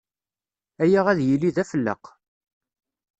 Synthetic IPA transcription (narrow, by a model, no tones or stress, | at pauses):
æjaʁæðjəlːiðæfəlːə̰q